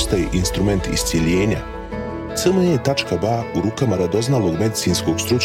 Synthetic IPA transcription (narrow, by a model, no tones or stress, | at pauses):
st̪ajeʔinst̪ɾume̞nt̪ḭst̪sjeʎeːɲa | t̪səlmoeːt̪at͡ʃkabauɾuːkamaɾad̪o̞znalˠo̞ːɡme̞d̪isiːnsko̞ːɡ̥st̪ɾut͡ʃ